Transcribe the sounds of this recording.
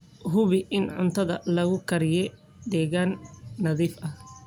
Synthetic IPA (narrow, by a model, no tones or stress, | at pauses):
ɦʊβɪʔɪnʕʊ̰nt̪ʰɐðɐlɐɣʊkʰɐɾɪjɛ | d̪ɛːɣaːnːɐðiːfɐh